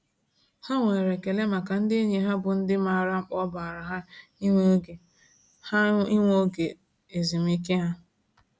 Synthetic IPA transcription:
ha˦ŋʷe˨ɾe˨ke˨le˦ma˨ka˨n̩˦dɪ˦e˦ɲe˨ɦa˦bʊ˨n̩˦dɪ˦ma˨ɾa˦ŋ͡m̩˦k͡pɔ˦ba˨ɾa˨ɦa˦i˦ŋʷo˦ɡe˨ | ha˦i˦ŋʷo˦ɡe˨ | e˨zi˨mi˦ke˦ɦa˦

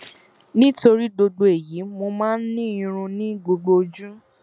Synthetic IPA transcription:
nĩ˦to˧ɾi˦do˧do˧e˨ji˨˦mo˧mãː˦n̩˦nĩ˦ĩ˧ɾ̃ũ˧nĩ˦ɡ͡bo˧ɡ͡bo˧d͡ʒũ˦

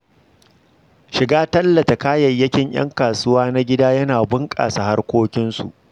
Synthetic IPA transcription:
ʃɪ˨ɡaː˦tɐ˦lːɐ˨ta˨kaː˦jɐ˨jːɐ˦kʲɪ˦ɲʔj̰ɐ̰˦ŋkaː˨sʊ˦waː˦na˦ɡʲɪ˦daː˦jɐ˦naː˨bʊ˦ŋkʼa̰ː˨sa˨ha˦rkʷoː˦kʲɪ˦nsṵ˨ʔ

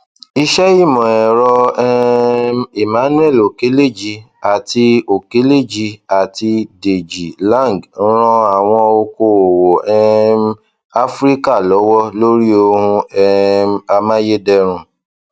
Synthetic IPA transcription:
i˧ʃɛ˦ji˦˨mɔ̃˨ɛ˨ɾɔ˧ɛ˦ | i˨mã˨˦nũ˦ɛ˦˨lo˨ke˨˦le˦˨d͡ʒi˧ | a˨ti˧o˨ke˨˦le˦˨d͡ʒi˧a˨ti˧de˨d͡ʒi˨lã˦˨ŋ˨ɡ̩˦ɾ̃ɔ̃˧a˨w̃ɔ̃˧o˧ko˧˨o˨wo˨ɛ˦˧m˦ | a˦fɾi˦ka˦˨lɔ˨˦wɔ˦lo˦ɾi˦o˧hũ˧ɛ˦a˧mã˦je˦dɛ˧ɾ̃ũ˧

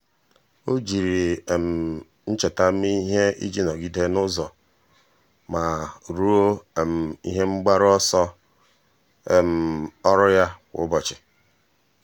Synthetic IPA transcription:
o˦d͡ʒi˨ɾi˨m̩˨ | n̩˦t͡ʃe˨ta˦m̩˦i˦ɦe˦ḭ˦d͡ʒi˦nɔ˨ɡi˦de˦nʊ˦zɔ˨ | ma˨ɾu˦o˦˨m̩˨ḭ˦ɦe˦ŋ͡m̩˦ɡ͡ba˦ɾɔ˦sɔ˦ | e˨m̩˨ɔ˦ɾʊ˦ja˦wʊ̰˦bɔ˨t͡ʃɪ˨

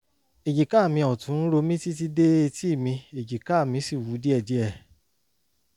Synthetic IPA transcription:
e˨d͡ʒi˨ka˦˨mĩ˧ɔ˨tũ˨˦ɾo˧mĩ˦ti˦t̬i˦de˦e˧ti˦˨mĩ˧e˨d͡ʒi˨ka˦˨mĩ˧˦si˦˨wu˨˦di˦ɛ˦˨di˨˦ɛ˦˨

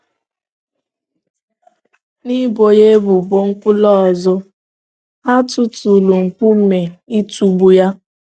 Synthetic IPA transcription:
ni˦bo˨je˦bʊ˨bo˦ŋ̩˦kʷʊ˦lɔ˦˨zʊ˦ | ɦa˦tʊ˦tu˨lu˨ŋ̩˨kʷu˦m̩˦˨me˨i˦tu˨bu˨ja˦

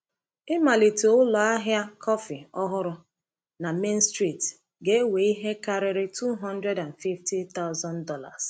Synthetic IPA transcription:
ɪ˦ma˨li˨to˨ʊ˦lɔ˨a˦ɦja˦kʰɔ˦fi˨ɔ˦ɦʊ˦ɾʊ˦ | na˨me˦nstɾi˨t | ɡe˦we˨i˦ɦe˦ka˦ɾɪ˦ɾɪ˦tu˦ɦɔ̃˦n˦dɾe˦da˨nfi˦fti˦t̪a˦ʊ˦zɔ˦ndɔ˦la̰˨s

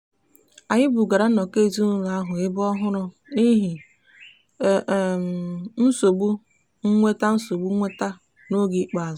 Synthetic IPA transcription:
a˨ɲɪ˦bʊ˨ɡa˨ɾa˦nɔ˨ke˦˨zu˦nu˦ɾa˦ɦʊ˨ɪ˦bɔ˦ɦʊ˦ɾʊ˦ | ni˦ɦi˨ | n̩˦so˨ɡ͡bu˦ | ŋ̩˦ŋʷe˦ta˦n̩˦so˨ɡ͡bu˦ŋʷe˦ta˦ | no˦ɡi˦k͡pa˨z

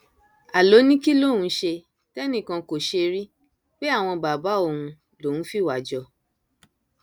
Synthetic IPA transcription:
a˨lo˨˦nĩ˦ki˦lo˦˨ũ˨˦ʃe˧ | tɛ˦nĩ˦˨kã˧ko˨ʃe˧ɾi˦ | k͡pe˦a˦˨w̃ɔ̃˧ba˨ba˨˦o˦˨hũ˧ | lo˨nũ˦fi˦˨wa˨d͡ʒɔ˧

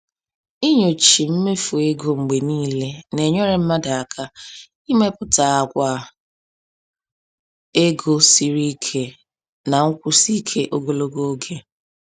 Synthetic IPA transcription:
i˦ɲo˨t͡ʃi˨m̩˦me˦fu˨e˦ɡo˦ŋ͡m̩˨ɡ͡be˨niː˦le˦ne˨ɲɔ˦ɾe˨m̩˦ma˦da˨a˨kʰa˦ | i˦me˦pʊ˦ta˨a˨kʷa˨ | e˦ɡo˦si˦ɾi˦kʰe˦ | na˨ŋ̩˦kʷu˦si˦kʰe˦ʔo˦ɡo˨lo˦ɡo˦o˦ɡe˦

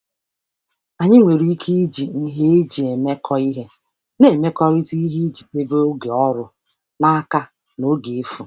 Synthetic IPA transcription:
a˨ɲɪ˦ŋʷe˨ɾi˨˦i˦kʰi˦d͡ʒi˨n̩˦ɦe˦d͡ʒi˨e˨me˦kʰɔ˦i˦ɦe˦ | ne˨me˦kɔ˦ɾi˦ti˦i˦ɦi˦d͡ʒi˨te˦be˦o˦ɡe˨ɔ˦ɾʊ˨ | na˦a˦ka˦ | no˦ɡe˨e˦fu˨

